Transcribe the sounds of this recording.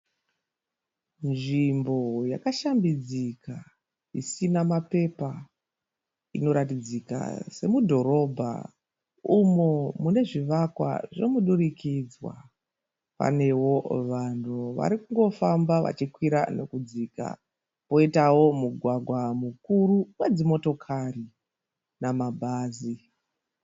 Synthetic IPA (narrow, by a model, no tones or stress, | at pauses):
nʐimbo̞jakaʃambid͡zika | isinamape̞pa | ino̞ɾatid͡zika̰se̞mudʱo̞ɾo̞bʱa̰ | umomune̞ʐiʋakwa̰ʐe̞muɗurikid͡zwa̰ | pa̰ne̞wo̞ʋantʰuʋa̰ɾikuŋɡo̞fambaʋa̰t͡ʃikwiɾane̞kud͡ziːka̰ | po̞itawo̞muɡʱwaɡʱwamukuɾuwe̞d͡zimo̞to̞kʰari | namabʱaːzi